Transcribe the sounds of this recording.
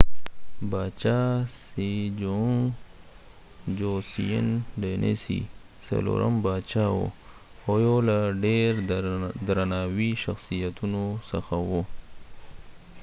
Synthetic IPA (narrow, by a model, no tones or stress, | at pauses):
bat͡ʃasid͡ʒoŋ | d͡ʒosijənɖenʔḛsḭ | sɐ̰lo̰ɾa̰mbaːt͡ʃawo̰ | ojolaɖeɾd̪ɾanaːwiʃaxsijat̪unosəxawo